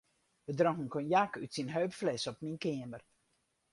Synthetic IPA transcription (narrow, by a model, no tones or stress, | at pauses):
ʋədrɔŋənkonjakytsinɦøːpflɛsɔp̚minkɪːəmər